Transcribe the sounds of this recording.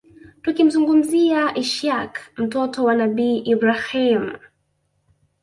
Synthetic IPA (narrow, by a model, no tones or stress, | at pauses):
tukim̩zuŋɡum̩ziaʔiʃakm̩tɔtɔwanaɓiːʔibɾahim